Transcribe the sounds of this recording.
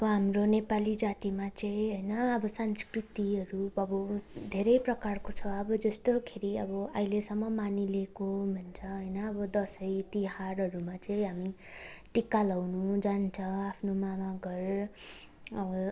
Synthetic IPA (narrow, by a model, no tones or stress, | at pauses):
ʌbʌɦamronepalid͡zat̪imat͡sʌĩɦʌjnʌʌbʌsanskrit̪iʌɾuʌbʌd̪ʱeɾʌjprʌkarkot͡sʰʌʌbʌd͡zʌst̪okʰeɾiʌbʌʌjlesʌmːʌmanilekomʱʌnt͡sʰʌɦʌjnʌːbʌd̪ʌsʌjt̪iharɦʌɾumat͡sʌ̃ĩɦami | ʈikːalawnũd͡zant͡sʰʌapʰnomamaɡʌr | ʌbʌ